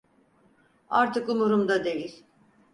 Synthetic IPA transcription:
a̰ɾt̪ʰɯkumuɾumd̪ad̪ejiɾ̥ʲ

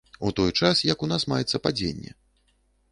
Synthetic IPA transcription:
ut̪ɔjt͡ʂasjɐkunasmajɛt̪sɐpad͡zʲḛnʲːɛ̰

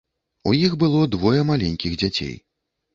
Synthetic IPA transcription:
ṵjixbɨlˠɔd̪vɔjɛmalʲenʲkʲiɣd͡zʲat͡sʲḛj

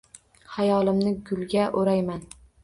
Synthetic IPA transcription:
hajɒlˠɪmnɪɡʲʊlˠɡʲaʔoɾajman

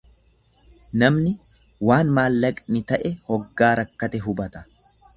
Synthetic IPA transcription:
nɐmnɪ | waːnmaːlːɐkʼnɪt̪ɐʔɛhɔɡːaːɾɐkːɐt̪ɛɦʊbɐt̪ɐ̥

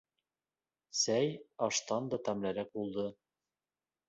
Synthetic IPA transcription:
sæjɑʃt̪ɑnd̪ɑt̪æmlæɾæk̚bulˠd̪ɤ

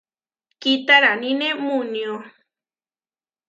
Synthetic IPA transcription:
kit̪aɾanĩnẽmũnj̃o

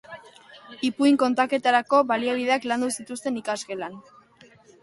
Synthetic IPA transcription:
ipuiŋko̞nt̪ake̞t̪aɾako̞βaliaβ̞iðe̞akland̪usit̪ust̪e̞nikaske̞lan

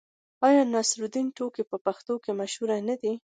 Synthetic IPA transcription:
ɑjɑnasɾud̪inʈokipəpaxt̪okemaʃhuɾanad̪i

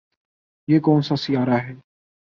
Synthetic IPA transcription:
jeːkɔːnsasɪjaːɾaɦɛː

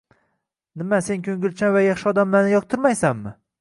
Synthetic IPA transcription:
nɪmase̞nkʲʰɵŋɡʲɪlt͡ʃʰanvajɑχʃɪɒd̪amlaɾnɪjɒq̚t̪ʰɪɾmajsamːɪ

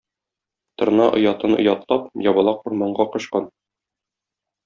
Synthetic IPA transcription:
t̪ŏɾnɑʔŏ̰jɑt̪ɤnŏ̰jɑt̪lˠɑpjɒbɑlˠɑquɾmɑɴɢɑqŏɕqɑn

